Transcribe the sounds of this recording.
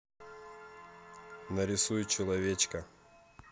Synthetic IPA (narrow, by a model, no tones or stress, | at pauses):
nəɾʲɪsujʊt͡ɕɪlˠɐvʲet͡ɕkə